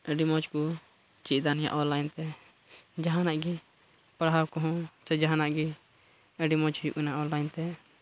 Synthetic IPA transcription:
ɛɖimɔt͡ʃku | t͡ʃiʔ̚d̪anija̰ʔɔnlajnt̪ɛ | d͡ʒaɦãnaʔɡi | paɽɦawkɔɦɔ̃t͡ʃɛd͡ʒaɦãnaʔɡi | ɛɖimɔt͡ʃhujṵʔɛnaʔɔnlːajnt̪ɛ

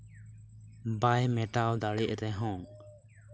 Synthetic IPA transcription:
bajmɛʈawd̪aɽɛʔɾɛɦɔ̃

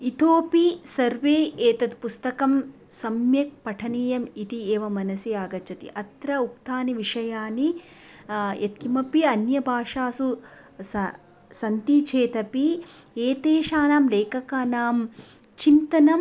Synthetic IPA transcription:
it̪ʰoːpisɐɾʋeːeːt̪ɐt̪pust̪ɐkɐm | sɐmjɐk̚pɐʈʰɐniːjɐmit̪ieːʋɐmɐnɐsiaːɡɐt͡ʃʰɐt̪ḭʔɐt̪ɾɐukt̪ʰaːniʋiʂɐjaːni | jʔɐt̪̚kimɐpiɐnjɐbʱaːʂaːsu | ɐ | sɐnt̪it͡ʃʰeːt̪ɐpi | eːt̪eːʃaːnaːmleːkɐkaːnaːm | t͡ʃint̪ɐnɐm

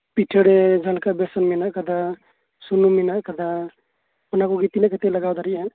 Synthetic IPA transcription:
piʈʰːəɽed͡ʒʱəlkabesənminakəd̪a | sunuminakəd̪a | pnakuɡit̪inakət̪eləɡawd̪əɾiɦɛ̃

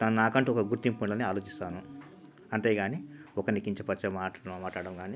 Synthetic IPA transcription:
t̪ɐnnaːkɐɳʈiɔkɐɡuɾt̪impuɳloːniaːlo̞ːt͡ʃist̪aːnu | ɐɳʈeːɡaːniɔkɐɾnikiɲt͡ʃɐpɐt͡ʃːɐmaːʈomaːʈlaːɽɐmɡaːni

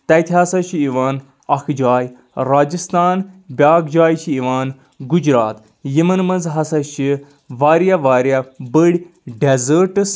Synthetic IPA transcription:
t̪ɐjt̪ʰiɦɐsɐʃʰiiʋaːn | ɐkʰd͡ʒaːj | ɾaːd͡ʒist̪aːnbʲjaːɡd͡ʒaːjt͡ʃʰiiʋaːn | ɡud͡ʒɾaːt̪ | jimɐnmɐnzɦɐsɐʃʰi | ʋaːɾjaʋaːɾjabəɽʲ | ɖezəɾʈɨs

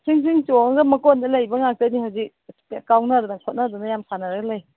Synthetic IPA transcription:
sʰiŋs̬ʰiŋt͡ʃɔɡɐmɐkɔndɐlajbɐŋak̚tanihawzik̚kawnaɾunɐkʰɔt̚nadunajamsanɐɾɡɐlaj

